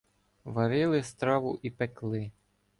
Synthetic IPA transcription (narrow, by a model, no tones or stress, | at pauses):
ʋɐɾɪlˠɪst̪ɾɑʋʊʔipeklˠɪ